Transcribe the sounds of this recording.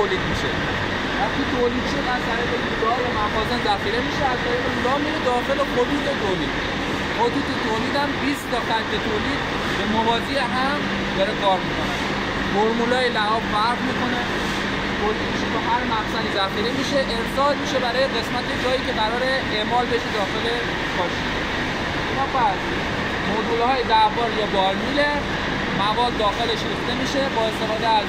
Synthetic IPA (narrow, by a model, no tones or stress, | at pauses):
oːliːd̪miʃe | væχt̪it̪ʰoːliːd̪ʃod̪æzt̪ʰæɾiːɣeɡud̪jomæfɒːzenzæxiːɾemiːʃeæzt̪ʰæɾiːɣeulɒːmined̪ɒːxe̞lexod̪uːt̪ʰet̪ʰolḭːd̪ | xod̪uːt̪et̪ʰoːliːd̪æmbist̪ɒxæɾket̪ʰoːliːd̪ | bemovɒːzieɦæm | d̪ɒɾekʰɒːɾmikʰone | foɾmulɒːjelæɒːbfæɾfmiko̞ne | boɾd̪imiʃet̪oɦæɾmæɣsænizæiɾimiːʃeʔeɾsɒːlmiːʃe̞bæɾɒːjeɣe̞smæt̪e̞d͡ʒɒːiːce̞ɣæɾɒːɾe̞ | eʔmɒːlbe̞ʃed̪ɒːxe̞le | kʰɒʃ | e | enɒfæs | mod̪ulhɒːjed̪ævɒːɾjɒːbɒɾmile | mævɒːd̪̚ːɒːxe̞leʃɾift̪e̞miːʃe̞bɒːe̞st̪e̞fɒːd̪eæz